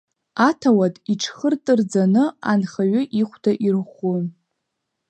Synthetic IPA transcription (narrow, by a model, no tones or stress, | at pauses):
atʰawatʼiʈ͡ʂʰχərtʼɨrd͡zanɨanχaɥʏʔiχʷdʰaʔirχun